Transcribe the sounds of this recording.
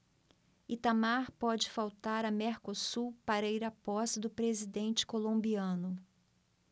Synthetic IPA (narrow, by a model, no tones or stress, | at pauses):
it̪amaɾpɔd͡ʒɪfawt̪aɾɐmeɾkosupaɾɐiɾɐpɔsd̪ʊpɾezid̪ẽnt͡ʃɪ̥kolõmbiɐ̃nʊ